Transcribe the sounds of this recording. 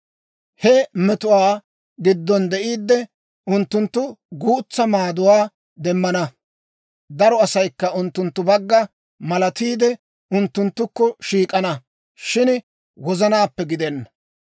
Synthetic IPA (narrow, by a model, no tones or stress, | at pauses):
hɛmɛt̪ʊwaː | ɡɪd̪ːɔnd̪ɛʔiːd̪ːɛ | ʊnt̪ːʊnt̪ːʊɡuːt͡sːɐmaːd̪ʊwaː | d̪ɛmːɐnɐ | d̪ɐɾɔɐsɐjkːɐʊnt̪ːʊnt̪ːʊbɐɡːɐ | mɐlɐt̪iːd̪ɛ | ʊnt̪ːʊnt̪ːʊkːɔʃiːkʼɐnɐ | ʃɪn | wɔzɐnaːpːɛɡɪd̪ɛnːɐ